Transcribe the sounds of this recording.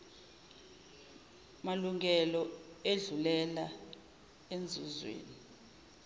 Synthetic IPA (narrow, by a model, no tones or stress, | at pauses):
maluŋʱɛlɔeɮulɛla | end͡zʱuzwḛːni